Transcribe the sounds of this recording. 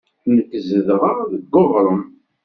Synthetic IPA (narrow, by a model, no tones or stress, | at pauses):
nəkːzəðʁaðəɡːoʁɾˤəm